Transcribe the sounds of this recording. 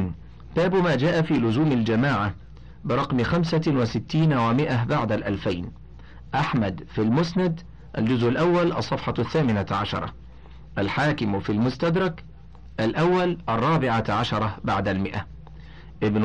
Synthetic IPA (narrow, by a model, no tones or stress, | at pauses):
baːbmaːd͡ʒaːʔafiːlʊzuːmald͡ʒamaːʕa | bɪɾˤɑqmɪxamsawɪsɪt̪ːiːnwamɪʔabaʕd̪alʔalfajn | ʔaħmad̪filmʊsnad̪ | ʔa̰ld͡ʒʊzʔʊlʔawːalʔɑsˤːɑfħɑθːaːmɪnaʕaʃɑ̰ɾˤɑ̰ | ʔalħaːkɪmfilmʊst̪ad̪ɾˤɑk | ʔalʔawːalʔɑrˤːɑːbɪʕaʕaʃɑɾˤɑbaʕd̪almɪʔa | ʔɪbn